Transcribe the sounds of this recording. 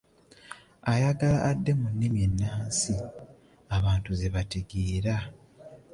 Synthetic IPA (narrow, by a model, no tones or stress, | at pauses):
ajaɡalaʔːdːe̞munːimjenːaːsi | aβaːntuze̞βatiɡiːɾa